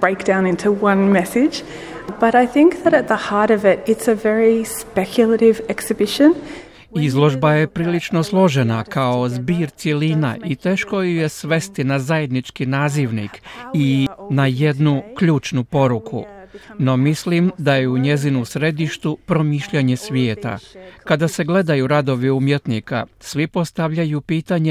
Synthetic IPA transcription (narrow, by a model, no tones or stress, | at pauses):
b̥ɹeɪk̚d̥ãʊ̃nɪ̃ntʰuwʌ̃nmɛsɪ̥d͡ʒ | b̥ʌɾaɪθɪ̃ŋk̚ðɨɾɨt̪̚ðəhɑɹɾʌvɪɾɪtsɨvɛɹispɛkʰjl̩ˠəɾɪvɛksɨbɪʃɨ̃n | izlˠo̞ʒbaje̞pɾiːlit͡ʃno̞slˠo̞ʒe̞nakao̞zbiːɾt̪selina̰ʔit̪e̞ːʃko̞juje̞sʋe̞st̪inazaje̞d̪nit͡ʃkinaːziʋnḭkinaje̞d̪nukʎuːt͡ʃnupo̞ɾukʰṵno̞mislimd̪aje̞uɲe̞zinusɾe̞d̪iʃt̪upɾo̞miːʃʎaɲe̞sʋjeːt̪a̰kad̪ase̞ɡle̞d̪ajuɾad̪o̞ʋiumje̞t̪nika̰sʋipo̞st̪aʋʎajupiːt̪aɲe